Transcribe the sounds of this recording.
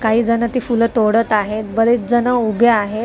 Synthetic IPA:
kaɦiːd͡zənət̪iːfulət̪oɽət̪aɦet̪bəɾet͡sd͡zənəubʱjəaɦe

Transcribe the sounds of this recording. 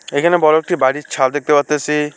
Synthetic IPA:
ekʰanebɔlok̚ʈibaɽit͡ʃʰald̪ek̚t̪epat̪esi

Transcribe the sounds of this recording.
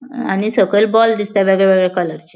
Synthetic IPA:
añisəɡelbɔld̪ist̪jaʋəɡɭeʋəɡəɭekələɾt͡ɕi̥

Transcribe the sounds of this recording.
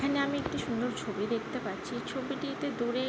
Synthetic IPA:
kʰaneamiekʈiʃund̪oɾt͡ɕʰobid̪ek̚ʰt̪epaɾːt͡ɕʰit͡ɕʰobiʈiet̪ed̪uɾe

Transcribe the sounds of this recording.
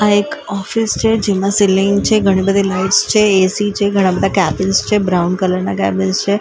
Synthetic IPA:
aekɔfɪst͡ʃʰed͡ʒemãsɪlɪ̃ŋɡt͡ʃʰeɡʱəɽ̃ibəd̪ʱilaɪʈst͡ʃʰeesit͡ʃʰeɡʱəɽ̃ãbəd̪ʱakɛbɪnst͡ʃʰebɾaʊnɖkələɾnakɛ̰bɪnst͡ʃʰe

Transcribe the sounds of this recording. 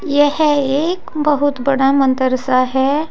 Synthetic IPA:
jeheekbəɦut̪bəɽamənt̪əɾsaɦɛ

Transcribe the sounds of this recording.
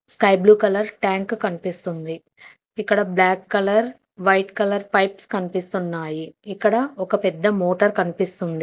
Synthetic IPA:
skɐjbluːkɐlɐɾʈaːŋkkɐnipist̪und̪i | ikːɐɽɐblaːkːɐlɐɾ | ʋɐjʈkɐlɐɾpɐjpskɐnipist̪unːaːjiːkːɐɽɐɔkɐpɛd̪ːɐmoːʈɐɾkɐnipist̪und̪i

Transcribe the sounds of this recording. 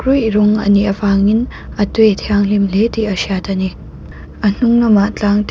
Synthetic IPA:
kɾujɾoŋɐ̰niɐbaŋin | ɐtuetʰijaŋlimletiɐsiatʰɐni | ɐn̥uŋnɐmat͡ɬaŋt

